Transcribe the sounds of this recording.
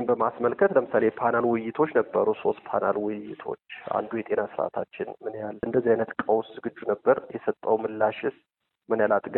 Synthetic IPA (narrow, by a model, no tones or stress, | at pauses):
mbəmasməlkʰət̪ləmɨsalepʰanalwʊjɪt̪ʰo̞t͡ʃːnəbːə̰ɾuso̞st̪̚pʰa̰nalwʊjɪ̰t̪ʰo̞̰t͡ʃːa̰nd̪ujɛt̪ʼenasɨɾa̰t̪ʰa̰t͡ʃːɪnmɨnjalːʔɨnd̪əzːihajnət̪kʼəwszɨɡɨd͡ʒːunəbːəɾjɛsət̪ʼːəwmɨlːaʃɪs | mɨnjalat̪ʼɡ